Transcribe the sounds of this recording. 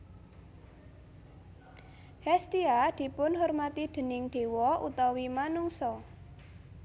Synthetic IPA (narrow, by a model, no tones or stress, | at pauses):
hɛst̪iad̪̥i̤pʊnhɔrmat̪id̪̥ə̤nɪŋɖ̥e̤wɔʔṵt̪ɔwimanuŋsɔ